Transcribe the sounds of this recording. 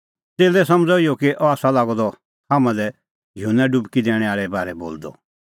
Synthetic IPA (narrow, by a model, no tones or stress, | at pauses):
t̪eːlɛsɐmd͡zɔiɔkiʔɔaːsalaːɡɔd̪ɔ | haːmãlɛ | jʊɦnːɛɖʊbkid̪ɛːɽ̃ɛ̃aːɭɛbaːɾɛbo̰ːld̪ɔ̰